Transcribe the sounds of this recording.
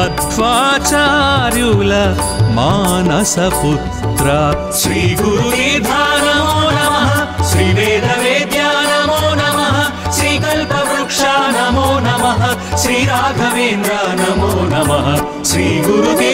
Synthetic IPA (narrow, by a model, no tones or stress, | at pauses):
ɐt̪ʋaːt͡ʃaɾjuːlɐ | maːnɐsɐput̪ɾa | ʃɾiːɡuɾuʋiːd̪ʱaːnɐmoːnɐmɐɦɐʃɾiːʋeːd̪ʱɐʋeːd̪jaːnɐmoːnɐmɐɦɐʃɾiːkɐlpɐʋɾukʂaːnɐmoːnɐmɐɦɐʃɾiːɾaːɡ̪ʱɐʋeːnd̪ɾɐnɐmoːnɐmɐɦɐ̆ | ʃɾiːɡuɾuʋi